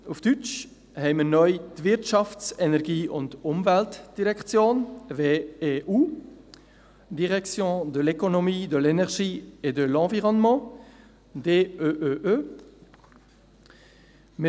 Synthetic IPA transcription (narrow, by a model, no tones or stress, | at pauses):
ufd̥yt͡ʃ | hɛɪmənœʏtvɪɾtʃɑft͡sɛnɛʁɡiːʔʊntʊmvɛltd̥iʁɛkt͡sjoːnveːeːʔuː | diʁɛksjõːd̪əlɛkonɔmiːd̪əlɛnɛʁɡiːedəlɑ̃viʁɔnmɑ̃ | deːøʔøʔø | mə